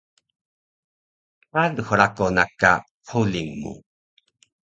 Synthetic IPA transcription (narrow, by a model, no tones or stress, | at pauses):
anxuɾakonaka̰ | qʰuliŋmṵ